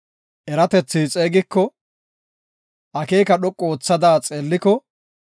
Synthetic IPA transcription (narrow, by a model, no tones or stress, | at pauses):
ʔɛɾɐt̪ɛt͡sːiːt͡sʼeːɡɪkːɔ | ʔɐke̞ːkɐɗɔkʼːoːt͡sːɐd̪aːt͡sʼeːlːɪkɔ